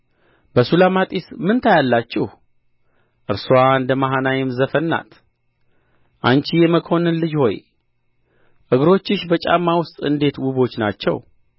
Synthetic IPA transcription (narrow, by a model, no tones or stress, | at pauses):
bəsulamat̪ʼismɨnt̪ʰajalːat͡ʃːɪh | ʔɨɾsuand̪əmaɦanajɛmzəfənːa̰t̪ | ʔant͡ʃijɛməkʰo̞nɨnlɨd͡ʒho̞̰j | ʔɨɡɾo̞t͡ʃːɪʃbət͡ʃʼa̰mːawʊst̪ʼɨ̰nd̪e̞t̪wuβo̞t͡ʃːnat͡ʃːɛ̰w